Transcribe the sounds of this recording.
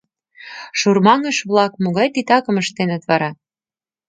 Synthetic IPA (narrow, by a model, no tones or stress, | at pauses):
ʃurmɑŋəʃβlɑkmoɣɑjt̪it̪ɑkəməʃt̪enə̆t̪βɑɾɑ